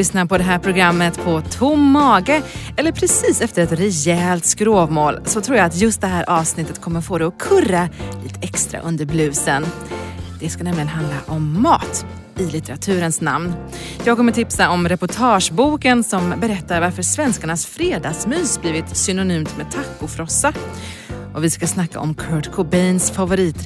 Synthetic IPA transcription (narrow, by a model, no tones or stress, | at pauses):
lʏsnapʰɔd̪ɛɦæːɾpʰɾʊɡɾamːət̪pʰɔt̪ʰʊmːɑːɡə | ɛlːəɾpʰɾɛsiːsɛft̪əɾɛt̪ɾɛjɛːlt̪skɾoːvmoːlsɔt̪ʰɾuːɾjaat̪jɵst̪̚d̪ɛɦæːɾʔɑːvsnɪt̪ːət̪kʰɔmːəɾfoːd̪ɛɔkʰɵralḭːt̪ə̥ɛkst̪ɾa̰ʔɵ̰nd̪əɾblʉ̟ːsən | d̪̥ɛskanɛmlɪɡənɦand̪ɾa̰ʔɔmːɑːt̪ | ɪlɪt̪ɛɾat̪ʰʉ̟ːɾənsna̰mn | jɑːɡ̚kʰɔmːəʈʰɪpsaɔmɾɛpʊʈʰɑːʂbuːkənsɔmbɛɾɛt̪ːaɾvaɾfəɾsvɛnskaɳasfɾeːd̪ɑːsmyːsbliːvɪt̪sʏnʊnyːmt̪mɛt̪ʰakːʊfɾɔsːa | ʔɔvɪskasnakːa̰ʔɔmkʰœːɖkʰʊbɛjnsfavʊɾiːt̪